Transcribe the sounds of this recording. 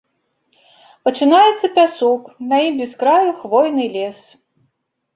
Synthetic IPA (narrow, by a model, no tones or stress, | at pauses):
pɐt͡ʂɨnajɛt̪sːɐpʲasɔknɐimbʲiskɾajuxvɔjnɨlʲɛs